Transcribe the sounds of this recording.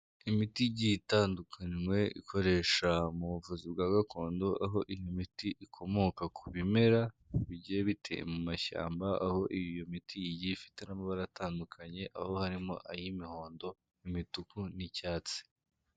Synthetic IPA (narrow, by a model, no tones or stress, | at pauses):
imitiɟitaːndukʰaɲwe̞ʔḭkʰo̞ɾe̞ːʃamuβuvuzibɡaːɡakʰo̞ːndo̞ʔaɦo̞ʔijomitiʔikʰo̞mo̞kakʰuβime̞ɾa | βiɟeβitʰe̞̰jḛmumaʃa̰ːmbaa̰ho̞ʔijjomitijiɟifi̥te̞namaβaɾataːndukʰaɲe̞ʔa̰ho̞haɾimo̞̰ʔajimiho̞ːndo̞ | imitukunicaːt͡se̥